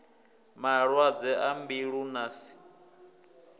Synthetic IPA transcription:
maɺwad͡zɛʔambiɺunasi̥

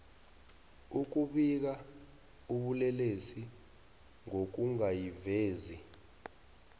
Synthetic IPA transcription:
uk̬uɓik̬a | uɓulɛlesi | ŋok̬uŋajiveːzi

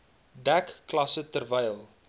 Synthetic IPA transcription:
dækklɐsətərvɛjlˠ

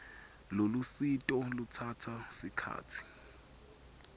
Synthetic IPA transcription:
lolusitʼɔlutʰatʰasikʰa̰ːtʰi̥

